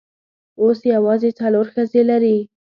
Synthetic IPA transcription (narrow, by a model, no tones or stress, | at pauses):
osjawɑzet͡saloɾxazelaɾi